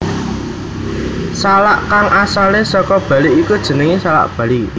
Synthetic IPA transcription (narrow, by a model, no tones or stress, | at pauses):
salaʔkaŋʔasalesɔkɔb̥ä̤liikud̥ʒ̥ə̤nəŋisala̰ʔb̥ä̤li